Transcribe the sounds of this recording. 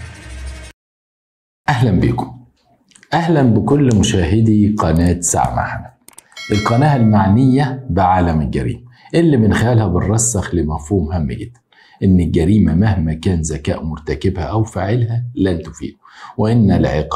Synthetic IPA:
ʔæhlæmbiːkʊm | ʔæhlænbɪkʊlːmʊʃæːɦɪd̪iqɑnæːt̪sa̰ʕma̰ħnæ | ʔɪlqɑnæːhælmaʕnɪjːæbɪʕaːlæmɪlɡæ̰ɾḭːmʔɪlːibɪnxɪjælhæbɪrˤːɑsːɑxlɪmæfhuːmhæm̰ːɡɪd̪̥ːæ̥n | ʔɪnːɪlɡæɾiːmæmahmækæːnzækæ̰ːʔmʊɾt̪ækɪbhæʔæwfaːʕɪlhælænt̪ʊfḭːd̪ʊwɪʔɪnːælʕḛq

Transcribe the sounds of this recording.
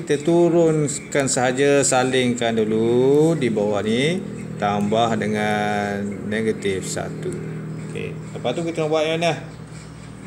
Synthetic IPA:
kit̪ət̪uɾʊn | kansəɦad͡ʒasalɪŋkanduludibawahni | t̪ambahdəŋanːeɡat̪ɪfsa̰t̪uokḛapat̪ukit̪ənabuaʔmanah

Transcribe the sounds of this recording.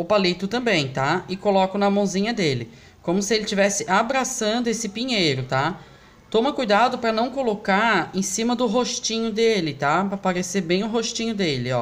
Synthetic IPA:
ʊpalit̪ʊt̪ɐ̃mbẽj̃t̪aɪkolɔkʊnɐmɐ̃w̃zĩɲɐd̪elɪ | kõmʊsɪelɪt͡ʃivɛsɪʔabɾasɐ̃nd̪ʊesɪpĩɲejɾʊt̪a | t̪õmɐkujd̪ad̪ʊpɾɐnɐ̃w̃kolokaɾẽsĩmɐd̪ʊɦoʃt͡ʃĩɲʊd̪elɪt̪apɾɐpaɾeseɾbẽj̃ʊɦoʃt͡ʃĩɲʊd̪elɪɔ

